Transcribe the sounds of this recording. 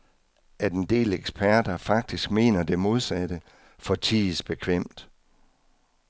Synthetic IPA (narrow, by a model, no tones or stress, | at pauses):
ʔæɐd̥end̥e̝̰ːleɡ̥spʰæɐ̰d̥ɐfɑ̈ɡ̥̚d̥isɡ̥me̝̰ːnɐd̥e̝mo̝ð̞ˠsæd̥ə | fɒ̽t͡sʰiðsb̥e̝kʰʋem̰d̥